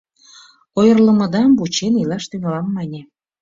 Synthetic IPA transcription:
ojərlə̆mə̆d̪ɑmbut͡ɕenilɑʃt̪yŋolɑmːɑnʲe

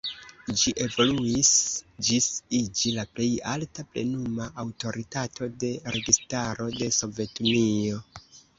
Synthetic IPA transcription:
d͡ʒiʔe̞vo̞luisd͡ʒisid͡ʒilaple̞jaltaple̞̰numaʔawto̞ɾitatʰo̞de̞ɾe̞ɡistaɾo̞de̞so̞ve̞tunio̞

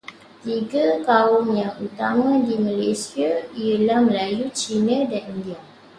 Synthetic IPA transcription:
t̪iɡak̪aʊmjãŋut̪amãdimə̃lesiaiəlahməlajut͡ʃinə̃danindia

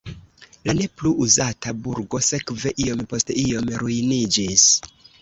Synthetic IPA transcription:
lane̞pluʔuzatabuɾɡo̞se̞kve̞ʔio̞mpo̞steio̞mɾujnid͡ʒis

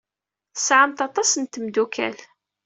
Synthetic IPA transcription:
θə̥sʕəmt̪ɑt̪ˤɑsənt̪əmd̪ukʰæ̰l

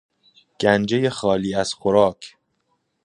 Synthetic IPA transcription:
ɡ̥ænd͡ʒe̞je̞xɒːliːæz̥xoɾɒːkʰ

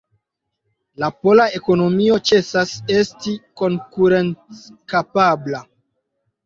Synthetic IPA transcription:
lapo̞lae̞ko̞no̞mio̞t͡ʃe̞sase̞stiko̞ŋkuɾent͡skapabla

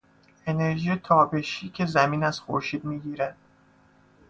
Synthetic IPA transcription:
e̞ne̞ɾʒiːjet̪ʰɒːbe̞ʃiːcʰe̞zæmiːnæzxo̰ɾʃiːd̪miːɟiːɾæd̪̥

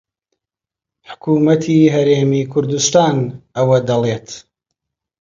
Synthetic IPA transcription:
ħʊ̥kʰuːmɐt̪ʰiɦɐɾeːmiːkʰʊɾd̪ust̪aːnʔɐwɐd̪ɐleːt̪

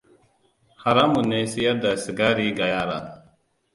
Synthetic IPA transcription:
hɐɾamuneːsijad̪ɐsɡaːɾiːɡajaːɾa̰n

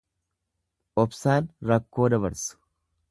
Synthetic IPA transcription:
ʔɔbsaːnɾɐkːo̞ːd̪ɐβɐɾsʊ̥

